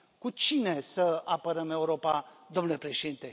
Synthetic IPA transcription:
kut͡ʃine̞səapəɾəme̞uɾo̞pad̪o̞mnule̞pɾe̞ʃed̪int̪e̞

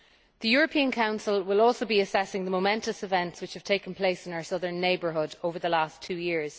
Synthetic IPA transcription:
ðəjɔːɹəpʰĩə̃nkʰãʊ̃nsəlˠwɪlɔːˑlˠsoʊbiəsɛsɪ̃ŋðəmoʊmɛ̃ntəsɪvɛ̃ntswɪt͡ʃhəv̥tʰeɪkə̃npʰl̥eɪsɪ̃naʊə˞sʌðə̃˞nːeɪbə˞ɦʊdoʊvə˞ðəlastʰʉːjɪɹz̥

